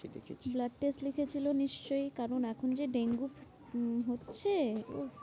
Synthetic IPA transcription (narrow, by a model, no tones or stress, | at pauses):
dḛkʰeblaɖ̚ʈeslikʰet͡ɕʰiloniʃt͡ɕojkaɾonɛkʰond͡ʑeɖeŋɡup | ɦotːɕʰeo̰